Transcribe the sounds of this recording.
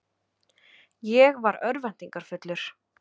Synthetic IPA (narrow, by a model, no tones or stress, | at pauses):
jɛɣvaɾœɾvɛn̥t̪iŋkaɾ̥fʏt̪lʏɾ̥